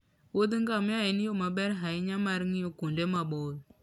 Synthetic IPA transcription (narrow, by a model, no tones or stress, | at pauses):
wodiŋɡamajinijomabɛɾɦajiɲamaɾŋijokundemabol